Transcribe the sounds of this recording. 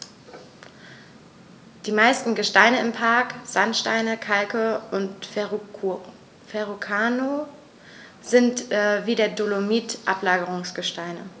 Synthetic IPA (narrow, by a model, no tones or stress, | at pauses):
d̥iːmaɪstn̩ɡəʃtaɪnəɪmpʰaɐkz̥antʃta̰ɪnəkʰalkəʔʊnt | fɛʁukʰaːno | z̥ɪntːviːdeːɐdolomiːtʔa̰plaːɡəʁ̞ʊŋsɡ̥əʃtaɪnə̰